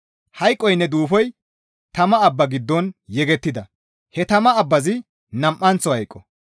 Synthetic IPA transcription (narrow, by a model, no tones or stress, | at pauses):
hɐjkʼːɔjnːɛd̪uːfɔj | t̪ɐmɐːbːɐɡɪd̪ːɔnjɛɡɛt̪ːɪd̪ɐ | hɛt̪ɐmɐɐbːɐzɪ | nɐmʔːɐnt͡sːɔhɐjkʼːɔ